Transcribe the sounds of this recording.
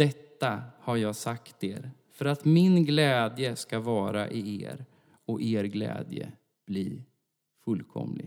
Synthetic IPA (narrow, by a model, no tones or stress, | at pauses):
d̪ɛt̪ːahaɾjɑːɡsakt̪eːɾfœɾat̪mɪnɡlɛːd̪jəskavɑːɾa̰ʔɪḛːɾ | ɔʔeːɾɡlɛ̰ːd̪jə̰ | b̥liː | fɵlːkʰɔ̰mlɪ̰